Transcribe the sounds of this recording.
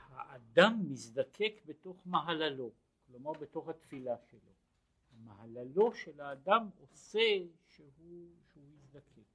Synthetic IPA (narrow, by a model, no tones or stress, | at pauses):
haʔad̪amːisd̪akʰe̞kbeto̞χmaɦalalo̞ | klomaʁbet̪o̞χhat̪filaʃelo̞̰ | hamaɦalalo̞ʃelaːd̪amo̞seʃeuʃeujisd̪akʰe̞k